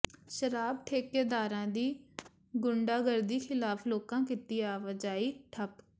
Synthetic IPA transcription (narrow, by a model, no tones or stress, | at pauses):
ʃəɾaːbʈʰeːkeːd̪aːɾãːd̪iː | ɡʊɳɖaːɡəɾd̪iːxʰɪlaːpʰloːkãːkiːt̪iːaːʋəd͡ʒaːiːʈʰəp